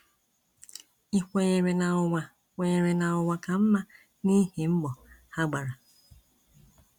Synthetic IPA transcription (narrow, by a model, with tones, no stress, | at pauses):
i˦kʷe˦ɲe˨ɾe˨na˨ʊ˨ŋʷa˨ | kʷe˨ɲe˨ɾe˨na˨ʊ˨wʷa˨ka˨m̩˦ma˦ | ni˦hi˨m̩˦ɡ͡bɔ˨ha˦ɡ͡ba˨ɾa˨